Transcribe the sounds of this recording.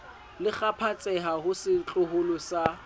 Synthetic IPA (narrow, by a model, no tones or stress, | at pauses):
lɪk͡xapʰat͡sʼɛɦahʊsɪt͡ɬʼʊhʊlʊsa